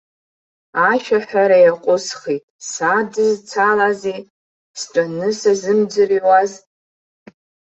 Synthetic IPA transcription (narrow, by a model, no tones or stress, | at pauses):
aʃᶣaħʷᶣaɾajaqʷʼʊsχitʼsadɨzt͡sʰalaze | sʈ͡ʂʷʼanɨsazɨmd͡zɨriwaz